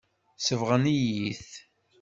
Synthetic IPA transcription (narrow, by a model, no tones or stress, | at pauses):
səvʁənijiθ